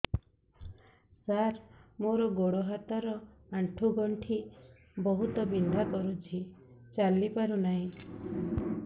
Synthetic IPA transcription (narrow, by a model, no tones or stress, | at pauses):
saɾmoɾɔɡoɽɔɦat̪aɾɔaɳʈʰuɡɔɳʈʰi | bɔɦut̪ɔbind̪ʱakɔɾut͡ʃʰit͡ʃalipaɾunaɦĩ